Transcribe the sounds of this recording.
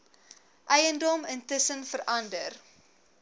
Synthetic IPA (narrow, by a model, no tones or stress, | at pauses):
ʔɛjəndɔməntəsənfəɾʔɐndər